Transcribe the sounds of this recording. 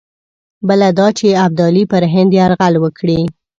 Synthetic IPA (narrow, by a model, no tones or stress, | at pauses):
bəlad̪ɑt͡ʃeab̚d̪ɑlipəɾɦɪnd̪jeaɾɣalwəkɽi